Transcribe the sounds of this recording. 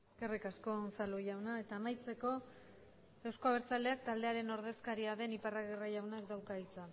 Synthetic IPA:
eske̞rikasko̞nsaloʝawnae̞t̪aːmajt͡se̞ko̞ | e̞wsk̞aβeɾt͡sald̪e̞ak̚t̪ald̪e̞aɾe̞no̞ɾð̞e̞skaɾiaðe̞niparaɣeraʝawnakd̪awkait͡sa

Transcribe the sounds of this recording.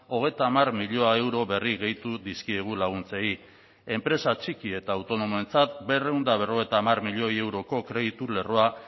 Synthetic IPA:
o̞ɣ̞e̞jt̪aːmaɾmiʎo̞ae̞wɾo̞βe̞riɣe̞jt̪uðiskieɣ̞ulaɣ̞unt͡se̞i | e̞mpɾe̞sat͡ʃikie̞t̪aːwt̪o̞no̞moe̞nt͡sat̪be̞re̞wnd̪aβ̞e̞ro̞ɣ̞e̞jt̪aːmarmiʎo̞je̞wɾo̞ko̞kɾe̞ðit̪ule̞ro̞a

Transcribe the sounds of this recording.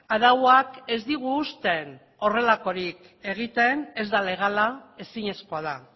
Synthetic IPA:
aðawake̞zd̪iɣ̞uːst̪e̞n | o̞re̞lako̞ɾik | e̞ɣ̞it̪e̞ne̞zd̪ale̞ɣ̞alae̞siɲe̞sko̞að̞a

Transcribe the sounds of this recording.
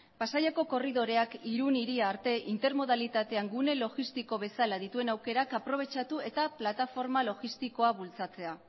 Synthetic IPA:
pasajako̞ko̞riðo̞ɾe̞akiɾuniɾiaːɾt̪e̞ʔint̪e̞ɾmo̞ð̞alit̪at̪e̞aŋɡune̞lo̞ɣist̪iko̞βe̞salað̞it̪ue̞nawke̞ɾakapɾo̞β̞e̞t͡ʃat̪ue̞t̪aplat̪afo̞ɾmalo̞ɣist̪iko̞aβult͡sat͡se̞a

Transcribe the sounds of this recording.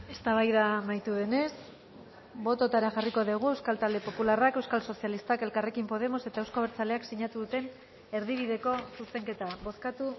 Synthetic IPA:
e̞st̪aβajðamajt̪uðe̞ne̞s | bo̞t̪o̞t̪aɾaʝariko̞ðiɣ̞ue̞wskalt̪ald̪e̞po̞pularake̞wskalso̞sialist̪ake̞lkare̞kimpo̞ð̞e̞mo̞se̞t̪aewskoβeɾt͡sale̞aksiɲat̪uðut̪e̞n | e̞ɾðiβ̞iðe̞ko̞suse̞ŋke̞t̪aβo̞skat̪u

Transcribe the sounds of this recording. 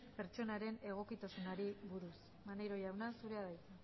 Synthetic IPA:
pe̞ɾt͡ʃo̞naɾe̞ne̞ɣ̞o̞kit̪asunaɾiβuɾus | manejɾo̞jawnasuɾe̞aðajt͡sa

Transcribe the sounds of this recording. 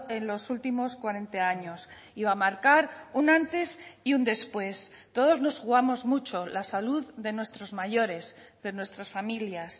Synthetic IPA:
e̞nlo̞sult̪imo̞skwaɾe̞nt̪eaɲo̞s | iβamaɾkaɾunãnt̪e̞siund̪e̞spwe̞s | t̪o̞ð̞o̞zno̞sxuɣ̞amo̞zmut͡ʃo̞lasaluððe̞nwe̞st̪ɾo̞zmaʝo̞ɾe̞zðe̞nwe̞st̪ɾasfamiljas

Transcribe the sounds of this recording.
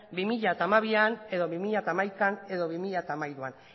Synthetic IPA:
bimiʎat̪amaβiane̞ðo̞βimiʎat̪amajkane̞ðo̞βimiʎat̪amajɾuan

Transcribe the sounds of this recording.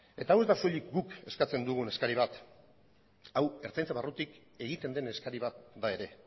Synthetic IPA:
e̞t̪awe̞zd̪asoʎikɡuke̞skat͡se̞nd̪uɣ̞une̞skaɾiβ̞at̪ | awe̞ɾt͡sajnt͡saβarut̪ik | e̞ɣit̪e̞nd̪e̞ne̞skaɾiβ̞at̪̚d̪ae̞ɾe̞

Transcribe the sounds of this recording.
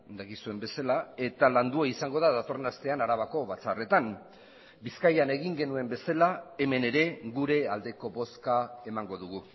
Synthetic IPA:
d̪akisue̞mbe̞salae̞t̪aland̪uaisaŋɡo̞ðaðat̪o̞renast̪e̞anaɾaβako̞βat͡sare̞t̪am | biskajane̞ɣ̞iŋɡe̞nue̞mbe̞salae̞me̞ne̞ɾe̞ɣuɾe̞ald̪e̞ko̞βo̞skae̞maŋɡo̞ðuɣ̞u

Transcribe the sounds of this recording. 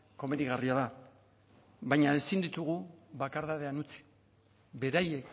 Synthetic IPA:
ko̞me̞ðiɣariaða | βajɲaesind̪it̪uɣ̞uβakaɾðaðe̞anut͡si̥ | be̞ɾaje̞k

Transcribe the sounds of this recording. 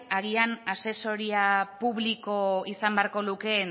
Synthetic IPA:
aɣianase̞so̞ɾiapuβliko̞isambe̞aɾko̞luke̞

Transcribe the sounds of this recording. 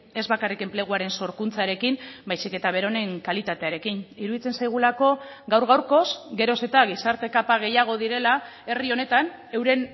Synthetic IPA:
e̞zβakarike̞mple̞ɣ̞uaɾe̞nso̞ɾkunt͡saɾe̞kimbajsike̞t̪aβ̞e̞ɾo̞ne̞ŋkalit̪at̪e̞aɾe̞kiniɾuðit͡se̞nsajɣ̞ulako̞ | ɡawɾɣawɾko̞sɡe̞ɾo̞se̞t̪aɣ̞isaɾt̪e̞kapaɣe̞jaɣ̞o̞ðiɾe̞la | e̞rio̞ne̞t̪an | e̞wɾe̞n

